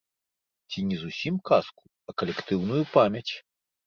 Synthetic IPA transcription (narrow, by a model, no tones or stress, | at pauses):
t͡sʲinʲɛzusʲimkasku̥ | ɐkɐlʲɛkt̪ɨwnujupamʲjɐt͡sʲ